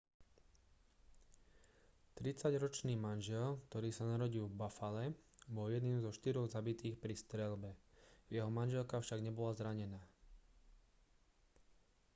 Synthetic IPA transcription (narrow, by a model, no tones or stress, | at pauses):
t̪ɾit͡saɟɾɔt͡ʃniːmanʒɛlkt̪ɔɾiːsanaɾɔɟilvbafalɛbɔljɛd̪niːmzɔʃt̪iɾɔɣzabit̪iːxpɾist̪ɾɛlbɛjɛɦɔmanʒɛlkafʃaɡɲɛbɔlazɾaɲɛnaː